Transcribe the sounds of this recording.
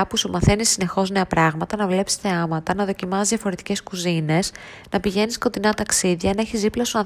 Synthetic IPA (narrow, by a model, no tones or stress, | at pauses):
ɐpusumɐθe̞nisine̞xo̞zne̞ɐpɾɐɣmɐt̪ɐnɐvle̞psi̥sθe̞ɐmɐt̪ɐnɐðo̞cimɐzðʝɐfo̞ɾe̞t̪i̥ce̞skuzine̞s | nɐpiʝe̞nisko̞t̪inɐt̪ɐksiðʝɐnɐeçiziplɐsoɐ